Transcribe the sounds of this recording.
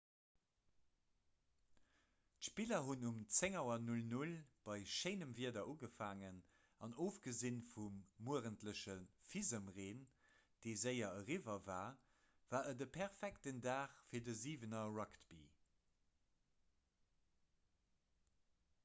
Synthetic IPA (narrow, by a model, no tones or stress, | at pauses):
tʃpilɐɦunumt͡seŋɑʊɐnulnulb̥ɑɪʃeɪnəmviɐdɐʔuɡəfaːŋən | ɑnoːfɡ̥əzinfumːuəʁəntləɕəfizəmʁeːn | d̥eɪzəɪɐəʁivɐvaː | v̥aːʔədəpʰɛʁfæktəndaːχfiːɐdəziːvənɐɹɑktb̥ḭ